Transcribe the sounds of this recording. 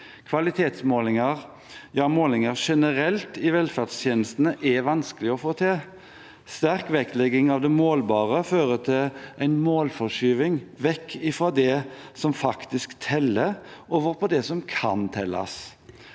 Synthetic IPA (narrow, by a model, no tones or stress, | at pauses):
kʰʋɑlɪt̪ʰeːt̪smoːlɪŋəʁ | jɑːmoːlɪŋəʁʂɛnəɾɛlt̪ɪʋɛlfæʁd̪st̪ʰjeːnəst̪ənəʔɛʋɑnskəlɪɔfoːt̪ʰɪl | st̪æɾkʋɛklɛɡɪŋɑʋd̪ɛmoːlbɑːʁəføːʁət̪ʰɪlʔæɪnmoːlfɔʂyːʋɪŋʋɛkʰːɪfɾoːd̪ɛsɔmfɑkt̪ɪskt̪ʰɛlːəoːʋəɾpʰɔd̪ɛsɔmkʰɑ̰nt̪ʰɛlːɑ̰s